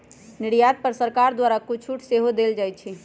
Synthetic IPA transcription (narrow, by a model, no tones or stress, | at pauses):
niɽjad̪̚pəɾsəɾkaɾd̪waɾakut͡ʃʰuʈʰseɦod̪eld͡ʒajt͡ʃʰi